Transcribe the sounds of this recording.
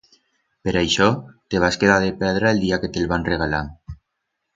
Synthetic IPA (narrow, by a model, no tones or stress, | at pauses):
peɾajʃɔt̪eβ̞askeðaðepɛðɾaeld̪iaket̪elβanreɣala̰